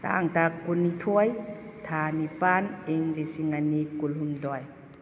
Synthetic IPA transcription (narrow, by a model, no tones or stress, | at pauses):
t̪a̰ŋtakːunitʰɔjt̪ʰanipaniŋlisiŋanikulɦumdɔj